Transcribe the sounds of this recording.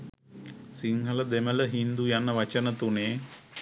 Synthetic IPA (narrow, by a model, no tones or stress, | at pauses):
siŋɦələd̪emələɦind̪ujanəʋɐt͡ʃənət̪uneː